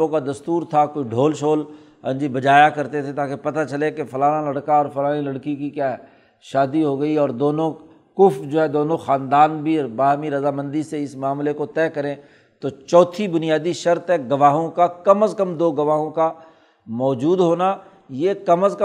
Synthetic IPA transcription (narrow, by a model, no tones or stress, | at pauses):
õkad̪ɐst̪uːɾt̪ʰakoiɖʱoːlʃoːl | ə̰̃nd͡ʒibɐd͡ʒaːjakɐɾt̪et̪ʰet̪aːkepɐt̪at͡ʃɐlekefɐlaːnãlɐɽkaɔːɾfɐlaːnilɐɽkikikjaːɦɛ | ʃaːd̪iɦoɡɐiɔːɾd̪oːnõ | kʊfd͡ʒoːɦɛd̪oːnõxaːnd̪aːnbʱiɾbaːɦmiɾɐzaːmə̃nd̪iseɪsmaːmlekot̪ɛːkɐɾẽ | t̪ot͡ʃɔːt̪ʰibʊnijaːd̪iʃɐɾt̪ɦɛɡɐʋaːɦõkakɐməskəmd̪oːɡɐʋaːɦõka | mɔːd͡ʒuːd̪ɦoːna | jeːkɐməskə